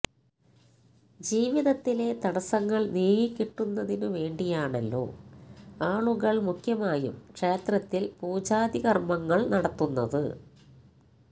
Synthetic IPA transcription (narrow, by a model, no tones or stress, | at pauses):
d͡ʑiːʋiðɐt̪ːile̞t̪ɐɽɐsɐŋːɐɭnijɐjikʲːiʈːunːɐðinuʋe̞ːɳɖijaːɳɐlːo̞̰ː | aːɭuɣɐɭmukʰjɐmaːjṵmkʂe̞ːt̪rɐt̪ːilpuːd͡ʑaːd̪iɣɐrmɐŋːɐɭnɐɽɐt̪ːunːɐ̰ðɨ̰